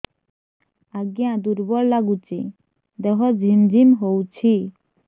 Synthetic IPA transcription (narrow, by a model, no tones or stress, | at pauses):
aɡiãd̪uɾbɔɾlaɡut͡ɕe | d̪ɛɦɔd͡ʑʱind͡ʑʱimɦowt͡ɕʰi